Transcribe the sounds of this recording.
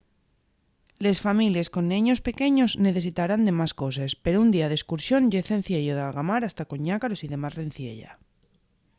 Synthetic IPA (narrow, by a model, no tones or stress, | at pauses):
le̞sfamilje̞sko̞nːẽɲo̞spe̞ke̞ɲo̞zne̞θe̞sit̪aɾand̪e̞masko̞s̬espe̞ɾound̪iaðe̞skuɾsjo̞nʝeθe̞n̟θje̞ʎoðalɣamaɾast̪ako̞ɲakaɾo̞siðe̞mazren̟θje̞̰ʎa̰